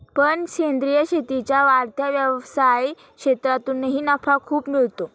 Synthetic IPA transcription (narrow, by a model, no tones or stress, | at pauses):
pəɳɕend̪ɾijəɕet̪it͡ɕjaʋaɾt̪ʰjaʋjəʋsaji | kɕet̪ɾat̪unːəɦiːnəfʰakʰuːpmiɭt̪o